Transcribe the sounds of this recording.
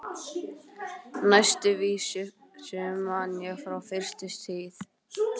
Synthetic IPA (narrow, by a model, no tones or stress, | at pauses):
najst̪ʏviːsʏ | sɛːmanjɛɣfɾawfɪr̥st̪ɪst̪ʰiːθ